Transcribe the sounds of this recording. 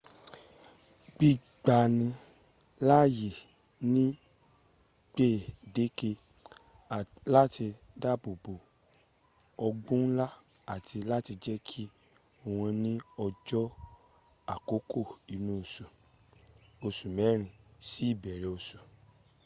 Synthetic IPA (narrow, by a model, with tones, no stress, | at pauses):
ɡ͡bi˦ | ɡ͡ba˨nĩ˧ | la˦˨je˨ | nĩ˦ | k͡pe˦˨de˦ke˧˨ | la˦ti˧ | da˦˨bo˨bo˨ | ɔ˧ɡ͡bũ˦n̩˦la˦ | a˦˨tʰi˧la˦ti˧d͡ʒɛ˦kʰi˦ | o˧˨w̃ɔ̃˧nĩ˦ɔ˧d͡ʒɔ˦ | a˦˨ko˨˦kʰo˦˨i˨nũ˦o˧su˨ | o˧su˨mɛ˨˦ɾ̃ĩ˨ | si˨˦i˦˨bɛ˨ɾɛ˨o˧su˨